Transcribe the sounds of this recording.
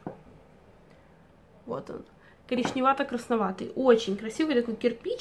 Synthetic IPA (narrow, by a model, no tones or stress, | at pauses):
ʋo̰t̪ɔ̰n | kɐɾʲiʃnʲɪʋɑt̪ɐkɾɐsnɐʋɑt̪ɨ̰jʔot͡ʃʲɪnʲkɾɐsʲiʋʊjt̪ɐkujkʲɛrpʲit͡ʃ